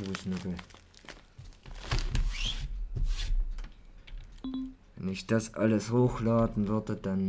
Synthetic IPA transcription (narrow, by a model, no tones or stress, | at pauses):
uːsnʏkl̩ | vɛnɪçd̥asʔa̰ləshoːxlaːdn̩vʏɐdəd̥an